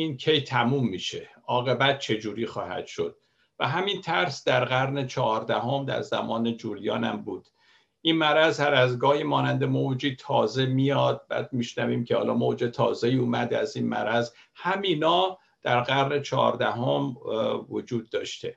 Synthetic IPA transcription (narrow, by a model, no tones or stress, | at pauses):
inkʰejt̪ʰæmumːiːʃe̞ | ɒːɣe̞bæt̪̚t͡ʃʰe̞d͡ʒuːɾiːxɒ̰ːhæ̰d̪̥ʃo̞d̪̥̚ | væɦæmint̪ʰæɾsd̪æɾɣæɾnet͡ʃʰɒɾd̪æɦo̞md̪æ̰ɾzæ̰mɒːned͡ʒuːɾijɒːnæ̰mbuːd̪̥ | ʔinmæɾæzhæɾæzɡɒːhimɒːnænd̪emod͡ʒiːt̪ʰɒːze̞mijɒːd̪̚bæ̰ːd̪̚miʃnæviːmcʰehɒ̰ːlɒ̰ːmod͡ʒet̪ʰɒ̰ːzeiːuːmæd̪eæzinmæ̰ɾæz | hæmiːnɒː | d̪̥æɾɢæɾne̞t͡ʃʰɒ̰ːɾd̪æɦomvod͡ʒuːd̪̚ːɒːʃt̪e̞